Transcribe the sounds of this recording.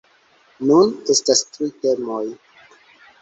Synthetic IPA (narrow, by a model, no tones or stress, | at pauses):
nune̞stastɾite̞mo̞j